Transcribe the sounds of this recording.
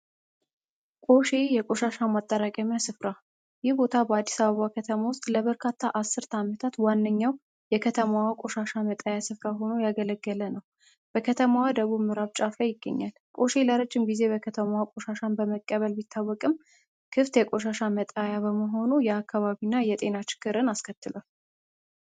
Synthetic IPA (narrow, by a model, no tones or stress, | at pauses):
kʼo̞ʃe̞jɛkʼo̞ʃaʃamat̪ʼːəɾakʼəmjasɨfɾa | jɪhbo̞t̪ʰabəad̪ːisaβəβakʰət̪ʰəmawʊst̪ʼləβəɾkʰat̪ʰːaʔasːɨɾt̪ʰamət̪ʰat̪wanːəɲːaw | jɛkʰət̪ʰəmawakʼo̞ʃaʃamət̪ʼajasɨfɾaɦo̞no̞jaɡələɡːələnəw | b̥əkʰət̪ʰəmawad̪əβuβmɨɾaβt͡ʃʼafəjɪɡːə̰ɲːal | kʼo̞ʃeləɾəd͡ʒːɪmɡize̞bəkʰət̪ʰəmawakʼo̞ʃaʃanbəməkʼːəβəlbit̪ʰːawːɔkʼɨm | kʰɨft̪jɛkʼo̞ʃaʃamət̪ʼajaβəməɦo̞nujɛakʰːaβaβinːajɛt̪ʼe̞nat͡ʃɪ̥ɡ̥ɨɾɨnaskʰət̪ːɨlal